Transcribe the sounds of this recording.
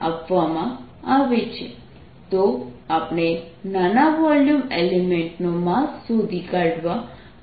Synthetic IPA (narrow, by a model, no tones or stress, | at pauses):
a̰pʋamã | aʋet͡ʃʰe | t̪oapɽ̃enanaʋɔljumelemeɳʈnomãsud̪ʱikaɖʋa